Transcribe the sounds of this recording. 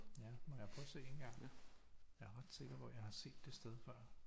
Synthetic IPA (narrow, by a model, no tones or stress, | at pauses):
jæmɒ̽jɑ̈ɪpʰɒ̽se̝̰ːe̝n̩ɡ̥ɑ̈ŋ̰ | jɑ̈æɐʁɑ̈d̥se̝ɡ̥ɐ̥ʋɒjɑ̈ɪhɑ̈se̝̰ːd̥ːe̝sd̥eð̞ˠfɶɐ̰